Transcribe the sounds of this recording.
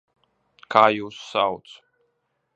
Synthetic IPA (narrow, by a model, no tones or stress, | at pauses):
kaːjuːsːawt̪s